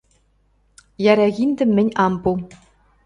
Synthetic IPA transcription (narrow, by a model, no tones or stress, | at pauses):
jæɾʲæɣʲind̪ʲɘ̆mmʲːɘ̆nʲɑmpu